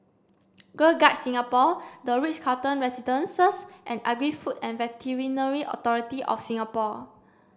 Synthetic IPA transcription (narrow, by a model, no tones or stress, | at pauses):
ɡəlɡat̚sĩŋapɔdəɹit͡ʃkʰatə̃nɹɛsidə̃nsəsʔɛ̃naɡɹifutɛ̃nvɛtʰiɹĩnəɹiʔɔ̰tɔɹitiʔɔ̰fsĩŋapɔ